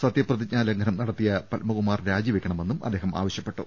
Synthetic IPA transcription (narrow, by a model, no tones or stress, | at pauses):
sɐt̪jɐprɐðit͡ɕɲaːlɐŋɡʰʱɐnɐmnɐɽɐt̪ːijɐpɐlmɐɣumaːrɾaːd͡ʑiʋekʲːɐɳɐme̞nːumɐ̰d̪ːeːɦɐma̰ːʋɐɕjɐpːe̞ʈːṵ